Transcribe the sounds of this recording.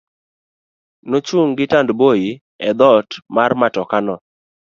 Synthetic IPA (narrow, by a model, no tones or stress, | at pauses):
not͡ʃuŋɡɪtandboji | ɛd̪ɔtmarmatɔkanɔ